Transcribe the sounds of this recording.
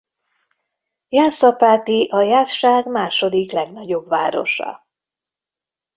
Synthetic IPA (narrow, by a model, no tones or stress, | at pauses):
jaːsɒpaːt̪iʔɒjaːt̪ʃaːɡmaːʃo̞d̪iklɛɡnɒɟo̞bvaːɾo̞̰ʃɒ̰